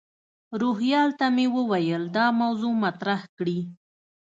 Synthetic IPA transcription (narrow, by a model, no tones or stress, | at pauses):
ɾoɦjɑlt̪amewəwajəld̪ɑmawzomat̪ɾahkɽi